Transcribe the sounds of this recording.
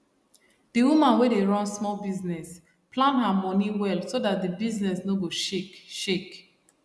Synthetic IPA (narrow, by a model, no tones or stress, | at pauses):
d̥iwumãnwedeɹɔ̃nsmɔlbiznɛs | plãnɦamɔ̃niwɛlˠsodat̚dibiznɛsnoɡoʃekʃek